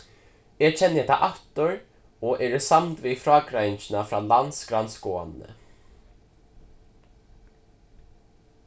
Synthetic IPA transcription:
ɛt͡ʃʰɛnːjɛt̪ʰa̰ʔat̪ʊɹ | ɔʔɛːɾsamt̪ʋifɾɑːkɾajnt͡ʃɪnafɾaːlant̪sɡɾant̪skoːa̰nnə̰

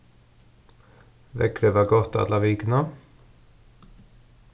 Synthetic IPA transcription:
ʋɛ̰kɾəʋɑːɡɔt̪ːɑ̰d̪lɑʋɪɡnɑ

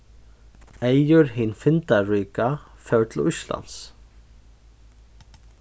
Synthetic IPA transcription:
ejʏɾɦinfɪnt̪aɹiːkafɛwt̪ʰlʊsla̰ns

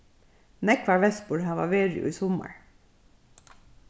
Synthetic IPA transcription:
nɛkʰʋɑːɹʋɛsbuːɾhɑʋɑ̰ːʋeːɹɪ̰ʊ̰iːsɔmə̰ɹ

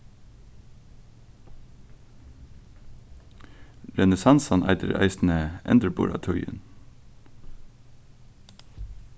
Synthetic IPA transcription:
lɛnəsɑnsɔnʔæ̰ɪd̪əɾæ̰ɪsn̩əʔɛ̰nd̪əɾbʊ̰ːɹɑ̰t̪ʰɔɾə̰n

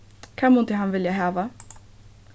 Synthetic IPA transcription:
kʰamʊnt̪ɪɦanvɪljaɦæːva

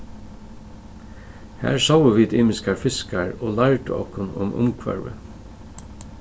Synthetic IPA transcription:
hæ̰ːɹsawəʋiːd̪iːmɪskɑɹfɪskɑɹoːlɑɹʈəɔ̰kʰʊnʊ̰mʔʊ̰mkʰʋɑ̰ɹʋə̰

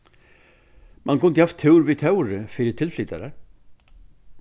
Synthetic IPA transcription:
mʔankʰɵnd̪əhaft̪ʰːʉːɾvit̪ʰœwɾəfɪɾɪt̪ʰɪlfliːt̪aɾaɾ

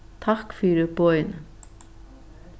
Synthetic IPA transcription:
t̪ʰahkfiːɾɪpɔːjn

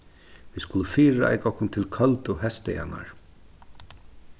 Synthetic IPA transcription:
viːskʊləfiːɾaa̰jkɔhkʊnt̪ʰɪlkʰœlt̪ʊɦɛst̪ɛja̰na̰ɹ

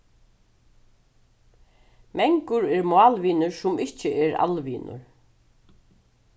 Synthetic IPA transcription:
mɛŋkʊɾɛɹmʊɑːlʋiːnʊɹsʊmɪht͡ɕɪʔɛɾa̰lʋḭːnʊ̰ɹ

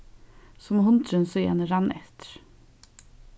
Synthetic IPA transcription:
sɔmhʊnt̪ʰɾənsɔjæ̰ːnəɾɑnɛt̪ɾ

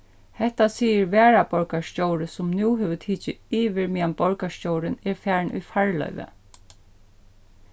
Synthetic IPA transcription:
hɛht̪asiːjəɹʋɛːɹabɔɹkaʃcoːwɾəsʊmnuːɦɛːʋət̪ʰiːt͡ʃɪiːʋɪɹmiːambɔɹkaʃcowɾɪnɛɹfæːɹɳṵjfaɹlœ̰ʏʋə̰

